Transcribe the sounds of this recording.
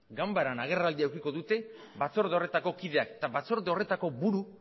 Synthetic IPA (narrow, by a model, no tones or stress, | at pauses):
ɡambaɾanaɣ̞e̞rald̪iawkiko̞ðut̪e̞ | βat͡so̞ɾðeo̞re̞t̪ako̞kiðe̞aket̪aβat͡so̞ɾðeo̞re̞t̪ako̞βuɾu